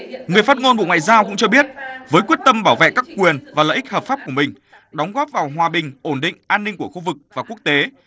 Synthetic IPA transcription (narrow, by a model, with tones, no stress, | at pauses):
ŋɨ˨˩əjfaː˦˥t̚ŋo˧nɓṵ˧˨ŋwa̰ː˧˨zaː˧wkʊ̰˧˥ŋ͡mt͡ɕɔ˧ɓi˦˥ət̚vəː˨˦jkwi˦˥ət̚t̪ə˧mɓaː˧˩wvḛ˧˨kaː˦˥kːkwi˨˩ənvaː˨˩lə̰ː˧˨ʔk̚həː˨˩p̚faː˦˥p̚ku˧˩əmï˨˩ŋ̟ | ɗɔ˨˦wŋ͡mɣɔ˦˥p̚vaː˨˩wɦwaː˨˩ɓï˨˩ŋ̟ʔo˧˩nɗḭ̈˧˨ŋ̟ʔaː˧nːï˧ŋ̟ku˧˩əxu˧vɨ˨˩k̚vaː˨˩ku˦˥ək̚t̪e˨˦